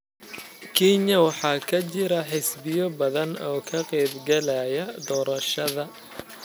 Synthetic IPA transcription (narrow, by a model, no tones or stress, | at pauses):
kʰinjɐwɑħɑːkʰɐt͡ʃɪɾɐħɪsbɪjɔbɐðɐnɔːkʰɐqɛːbɡɛlɛjɐd̪ɔːɾɐʃɐðɐ